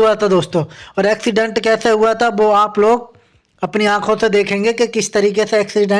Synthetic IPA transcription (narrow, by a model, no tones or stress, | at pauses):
uat̪ʰad̪oːst̪õːɔːɾɛːksɪɖɛ̃ɳʈkɛːseɦuat̪ʰaʋoːaːploːɡ | ɐpniãːkʰõsed̪eːkʰẽːŋɡekekɪst̪ɐɾiːkeseɛːksɪɖə̃